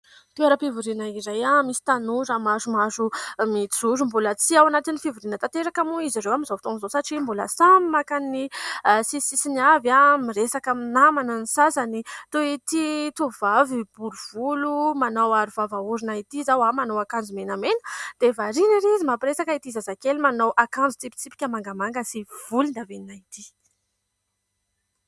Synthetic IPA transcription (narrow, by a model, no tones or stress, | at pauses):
t̪ueɾəpivuɾinaizajamisi̥t̪anuɾamazumazumit͡suɾumbulət͡siawanat̪inifivuɾinət̪at̪eɾakamuiziɾewamizovt̪oŋzosaʈ͡ʂimbulə̰samimakanisisisiniavamiɾesakaminamananisasanit̪oit̪it̪ovavib̥uɾuv̥ulumanawaɾuvavauɾinait̪izawamanowakand͡zumenamenəd̪̥evaɾiniɾizimapiresakait̪izazakelimanawʔakand͡zut͡s̪ipi̥t͡sipi̥kʲəmaŋɡəmaŋɡəsiv̥ulund̪aveninait̪i